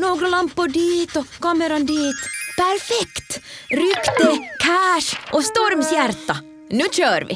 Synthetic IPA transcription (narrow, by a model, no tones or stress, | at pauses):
noːɡɾəlɑmpːʊɖiːt̪ɔkɑməɾɑnd̪iːt̪pæɾfɛkt̪ɾʏkt̪əkʰæːʂʔɔst̪ɔɾmsjæɾt̪ɑ | nʉːc͡çøːɾʋɪ̰